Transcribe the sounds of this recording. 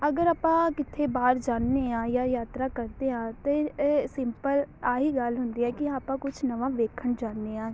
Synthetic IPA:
əɡəɾaːpãːkɪt̪ʰebaːɾd͡ʒaːnːeãːjaːjaːt̪ɾakəɾt̪eãːt̪esɪmpəlaːɦiɡalɦʊ̃nd̪iɦɛːkiaːpãːkʊt͡ʃʰnəʋãːʋeːkʰəɳd͡ʒaːnːeãː

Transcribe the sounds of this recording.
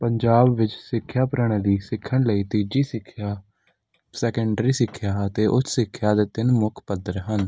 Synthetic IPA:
pəɲd͡ʒaːbʋɪt͡ʃsɪkʰːjaːpɾəɽ̃ẽːd̪iːsɪkʰːəɽləiːt̪iːd͡ʒiːsɪkʰːjaː | sɛːkəɳɖɾiːsɪkʰːjaːət̪eːʔʊt̪ʰsɪkʰːjaːd̪eːt̪ɪnmʊkʰpəd̪əɾɦən

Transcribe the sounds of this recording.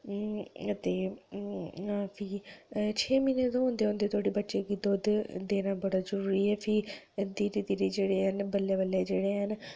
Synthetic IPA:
ət̪eː | aːpʰiːt͡ʃʰeːmiːneːt̪õːɦõːnd̪eːɦõːnd̪eːt̪ʰʊaːɽiːbətːʃeːkid̪oːd̪d̪eːnaːbəɽaːzəɾuːɾiːɛːpʰiː | d̪iːɾiːd̪iɾiːd͡ʒeːɽeːɦənbəlːeːbəlːeːd͡ʒeːɽeːɦən

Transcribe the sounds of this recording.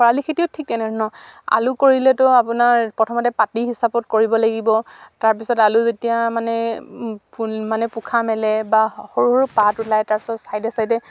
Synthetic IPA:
ɔɹalikʰetiʊtʰik̚tɛnɛɹnɔa̰lukoɹilɛtɔapʊnaɹpɹɔtʰɔmɔtɛpatiɦisapɔtkoɹibɔlaɡibɔtaɹpisɔtaluzetijamanɛ | pumanɛpukʰamɛlɛbaxoɹuhɔɹupatulajtaɹpi̥sɔtsajdɛsajdɛ

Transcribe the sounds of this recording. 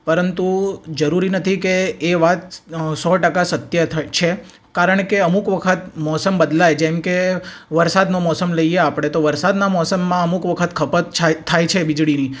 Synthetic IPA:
pəɾənt̪ud͡ʒəɾuɾinət̪ʰikeːʋat̪̚sɔʈəkasət̪jət͡ʃʰe | kaɾəɳkeəmukʋəkʰət̪mɔsəmbəd̪lajd͡ʒɛ̃mkeʋəɾsad̪nomɔsəmləijeapɽ̃et̪oʋəɾsad̪namɔsəmːãəmukʋəkʰət̪kʰəpət̪t͡ʃʰatʰːajt͡ʃʰebid͡ʒɽini

